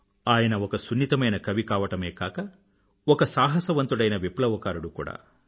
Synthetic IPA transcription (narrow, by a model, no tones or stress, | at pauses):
aːjɐnɐɔkɐsunːit̪ɐmɐjnɐkɐʋikaːʋɐʈɐmeːkaːkɐ | ɔkɐsaːɦɐsɐʋɐnt̪uɽɐjnɐʋiplɐʋɐkaːɾuɽukṵːɽa̰ː